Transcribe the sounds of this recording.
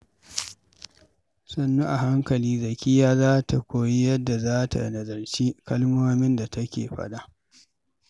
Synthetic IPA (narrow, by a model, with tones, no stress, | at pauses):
sɐ˨nːu˦ʔa˨ɦa˦ŋkɐ˨liː˦zɐ˨kʲi˦jaː˦zaː˦ta˨kʷoː˨ji˦jɐ˦dːa˨zaː˦ta̰˨nɐ˨zɐ˨rt͡ʃi˦kɐ˦lmoː˦mɪ˦nda˨tʰɐ˦kʲḛː˨ɸɐ̰˦ɗa˦ʔ